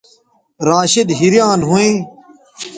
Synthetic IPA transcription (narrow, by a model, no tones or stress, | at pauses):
ɾãːʃɪd̪ɦiɾjãːnɦuĩː